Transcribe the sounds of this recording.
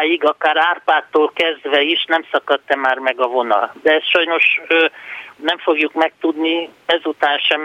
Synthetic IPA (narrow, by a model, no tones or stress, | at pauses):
jiɡɒkaːɾaːrpaːt̪ːoːlkɛzd̪ʋɛiʃnɛmsɒkɒt̪ːɛmaːrmɛɡɒvo̞nɒ̰ld̪ɛɛsʃɒjno̞ʃønɛɱfo̞ɡjukmɛk̚t̪ud̪niɛzut̪aːnʃɛm